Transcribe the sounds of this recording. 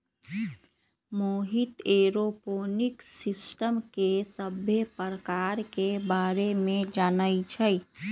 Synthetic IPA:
moɦit̪eːɾopoːniksɪsʈəmkesəbʱepɾəkaːɾkebaːɾemẽd͡ʒaːnəit͡ʃʰəj

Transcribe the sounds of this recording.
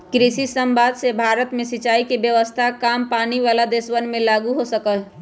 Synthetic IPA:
kɾisisəmbaːd̪sebʱaːɾət̪mẽsɪt͡ʃaːikebjəʋəst̪ʰakaːmpaːniʋaːlad̪eswənmẽlaːɡuɦosəkəl

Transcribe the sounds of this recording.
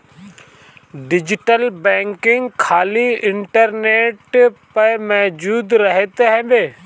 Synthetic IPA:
ɖɪd͡ʒɪʈəlbɛ̃ːŋkɪ̃ŋɡkʰaːliɪɳʈəɾneːʈpɐɾmɛːd͡ʒuːd̪ɾəɦet̪eɦɛ̃ːbeː

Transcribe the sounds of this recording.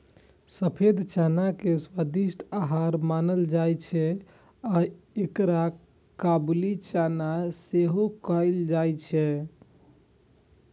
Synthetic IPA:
səpʰed̪ʱt͡ʃanakeswad̪isʈʰaɦaɾmanəld͡ʒajt͡ʃʰɛ | a | ekɾa | kablit͡ʃanaseɦokəjld͡ʒajt͡ʃʰɛ

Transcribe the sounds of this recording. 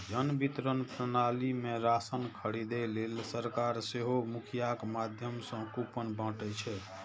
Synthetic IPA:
d͡ʒənbit̪ɾənpɾənalimeɾasənkʰəɽid̪elelsəɾkaɾseɦomukʰijakmad̪ʱjəmsə̃kupənbãʈɛt͡ʃʰɛ

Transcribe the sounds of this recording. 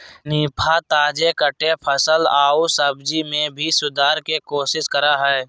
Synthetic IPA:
niːpʰat̪aːd͡ʒekəʈepʰəsəlaːusəbd͡ʒimẽbʱisʊd̪ʱaːɾkekoːʃɪskəɾaɦɛː

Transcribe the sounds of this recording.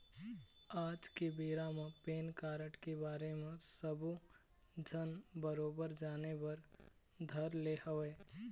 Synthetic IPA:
aːd͡ʒkebeːɾamẽpeːnkaːɾəʈkebaːɾemẽsəbu | d͡ʒʱənbəɾoːbəɾd͡ʒaːnebɐɾ | d̪ʱəɾleːhəʋeː

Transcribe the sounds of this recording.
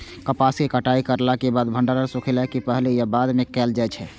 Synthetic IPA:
kəpaskekəʈaikəɾlakebad̪bʱəɳɖaɾəɾsukʰelakipəɦlejabad̪mẽkɛːld͡ʒaɛt͡ʃʰɛ

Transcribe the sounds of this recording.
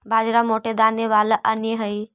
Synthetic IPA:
bʱaːd͡ʒɾamoːʈed̪ʱaːnjəʋaːlʔɐnəɦəi

